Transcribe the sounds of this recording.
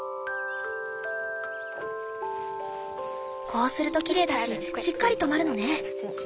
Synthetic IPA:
kʰo̞ːsɨɾɯ̟t̪o̞kʲiɾe̞ːd̪aɕi | ɕikːaɾʲit̪o̞maɾɯ̟no̞ne̞

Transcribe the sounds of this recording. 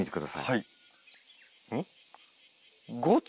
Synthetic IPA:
it̪ekɯ̟d̪asa̰jai | ɡot͡s

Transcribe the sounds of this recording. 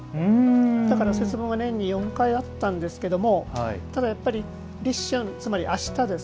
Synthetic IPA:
d̪akaɾase̞t͡sɨbõɰ̃ɡanẽ̞ɲ̟ːijõ̞ŋkaiat̪ːãnd̪e̞sɨ̥ke̞d̪o̞mo̞hit̪ad̪ajapːaɾʲi | ɾʲiɕːõnt͡sɨmaɾʲiʔaɕi̥t̪ad̪e̞s

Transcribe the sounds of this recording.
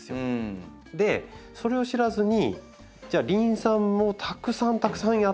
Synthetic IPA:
sɨo | d̪e̞so̞ɾe̞o̞ɕiɾazɨɲ̟i | d͡ʑaːɾʲĩɰ̃sãmːo̞t̪ʰakɯ̟sãnt̪akɯ̟̥sãɰ̃ja

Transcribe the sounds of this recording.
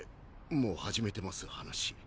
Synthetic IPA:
mo̞ːhaʑime̞t̪e̞masɨhanaɕi̥

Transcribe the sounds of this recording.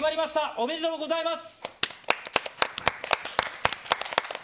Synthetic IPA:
maɾʲimaɕi̥t̪aʔome̞ɾit̪o̞moɡo̞zaimasɨ̥

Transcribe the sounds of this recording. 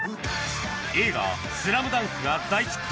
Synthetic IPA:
e̞ːɡa̰ | sɨɾamɯ̟d̪ãŋ̃kɨɡad̪ait͡ɕ

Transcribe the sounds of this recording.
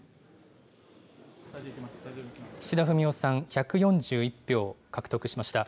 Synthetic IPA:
ɕid̪aɸɯ̟mʲio̞sãɰ̃çakɯ̟jõ̞ɲ̟d͡ʑɨːipʲːjo̞ːkakɯ̟̥t̪o̞kɯ̟ɕimaɕi̥t̪a

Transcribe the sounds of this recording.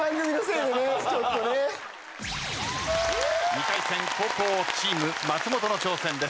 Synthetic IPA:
ãŋɡɯmʲinoseːd̪enet͡ɕot̪ːone | ɲik̪aisẽ̞ŋko̞ːkoːt͡ɕiːmɯmat͡sɨmo̞t̪o̞no̞t͡ɕo̞ːsẽ̞nd̪es

